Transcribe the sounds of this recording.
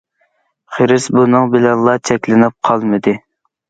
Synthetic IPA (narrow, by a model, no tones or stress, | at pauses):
χəɾɪsbunɨŋbɪlɛnlˠːɑt͡ʃʰɛkʲlɪnɪp̚qʰɑlˠmɨd̪ɨ